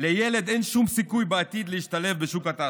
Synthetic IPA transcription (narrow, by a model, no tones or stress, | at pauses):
lejele̞d̪ejnʃumsikujbeat̪id̪leiʃt̪ale̞fbeʃukat̪a